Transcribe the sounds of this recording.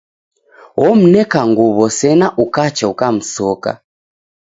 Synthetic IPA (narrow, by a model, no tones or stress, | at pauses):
ɔm̩nɛkaŋɡuβɔsɛnaʔukat͡ʃaukam̩sɔka̰